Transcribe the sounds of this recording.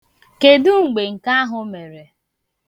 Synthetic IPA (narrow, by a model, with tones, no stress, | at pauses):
ke˨dʊ˦ŋ͡m̩˨ɡ͡be˨ŋ̩˨ka˦a˦ɦʊ˦me˨ɾe˨